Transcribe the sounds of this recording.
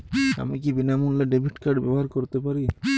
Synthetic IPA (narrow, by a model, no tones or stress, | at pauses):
a̰mik̬ibinamunlaɖibʱiʈkaɾɖbɛ̰boɦaɾkoɾt̪epaɾi